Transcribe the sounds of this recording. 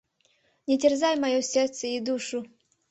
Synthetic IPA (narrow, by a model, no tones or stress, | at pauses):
nʲɛtʲɛrzajmajɔsʲɛrt̪sɛid̪uʂu